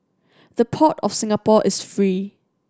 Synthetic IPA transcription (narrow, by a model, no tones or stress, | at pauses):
ð̥əpʰɔtɔfsɪ̃ŋapɔʔɪsfɹi